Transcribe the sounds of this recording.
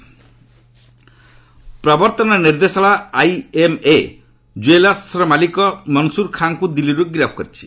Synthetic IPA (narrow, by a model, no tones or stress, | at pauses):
pɾɔbɔɾt̪ɔnɔniɾd̪esɔɭaajeme | d͡ʒuelasɾɔmalikɔmɔnsuɾkʰaŋkud̪iliɾuɡɾapʰkɔɾit͡ʃʰi̥